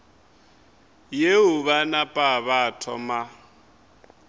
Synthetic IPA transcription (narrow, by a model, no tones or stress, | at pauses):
jeʊβanapʼaβatʰɔ̰ma